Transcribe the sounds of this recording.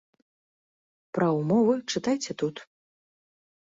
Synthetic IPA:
pɾɐwmɔvɨt͡ʂɨt̪ajt͡sʲɛt̪ut̪

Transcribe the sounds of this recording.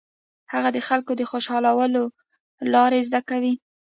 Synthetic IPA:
haɣad̪əxalkod̪əxoʃɑlawəlo | lɑɾezd̪akawi

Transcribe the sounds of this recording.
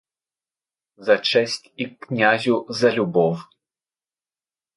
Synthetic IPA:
zɐt͡ʂɛsʲt͡sʲiknʲazʲuzɐlʲubɔw

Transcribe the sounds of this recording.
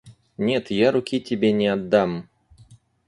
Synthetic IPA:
nʲet̪jaɾʊkʲitʲɪbʲenʲɪɐd̪ːam

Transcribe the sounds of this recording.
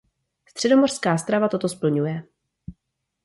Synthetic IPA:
st̪r̝̥ɛdo̞mor̥skaːst̪ɾavat̪o̞t̪ospl̩ɲujɛ

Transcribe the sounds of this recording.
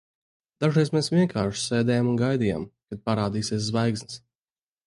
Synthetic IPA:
d̪̥aʒiɛsmɛːsvʲiɛŋkʰaːɾʃseːd̪ɛjamunɡajd̪iːja̰ːmkad̪̚paɾaːd̪iːsiɛszvajɡznɨs

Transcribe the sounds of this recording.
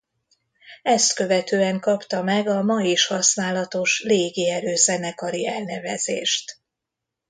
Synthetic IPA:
ɛst̪kø̞vɛt̪øːɛŋkɒpt̪ɒmɛɡɒmɒjiʃhɒsnaːlɒt̪o̞ʃleːɡiɛɾøːzɛnɛkɒɾiɛlnɛvɛzḛːʃt̪

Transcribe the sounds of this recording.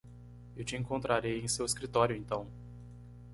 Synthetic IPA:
ewt͡ʃɪẽŋkõnt̪ɾaɾejẽj̃seweskɾit̪ɔɾjʊẽnt̪ɐ̃w̃

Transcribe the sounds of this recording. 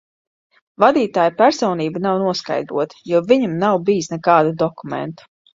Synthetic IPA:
vad̪iːt̪aːjpæɾsɔːwniːbanawnuɔska̰jd̪ɾuɔt̪i̥juviɲamnawbijsnɛkaːd̪ud̪ɔkumɛ̰nt̪u̥

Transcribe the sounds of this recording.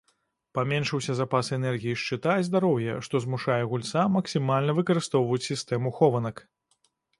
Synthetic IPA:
pamʲɛnʂɐwsʲɐzapasɛnɛrɣʲijiʂt͡ʂɨt̪azʲd̪aɾɔwjɛʂt̪ɔzmuʂajɛɣulʲt̪samɐksʲimalʲnɐvɨkɐɾɨst̪ɔwvɐjut͡sʲsʲist̪ɛmuxɔvɐnɐk

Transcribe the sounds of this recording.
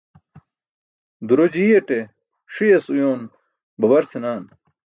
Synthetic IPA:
d̪uɾod͡ʑiːɐʈe | ʂijɐsujoːn | bɐbɐɾsʰinaːn

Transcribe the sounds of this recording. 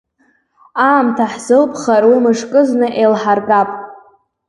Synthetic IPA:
aːmtʰaħz̥ɨlpʰχaɾwimɨʂkʼɨznɨʔejlħarɡapʼ

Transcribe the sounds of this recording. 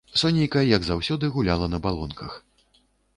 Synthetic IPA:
sɔnʲejkɐjɐɡzawsʲɔd̪ɨɣulʲalˠɐnɐbalˠɔnkʰɐx

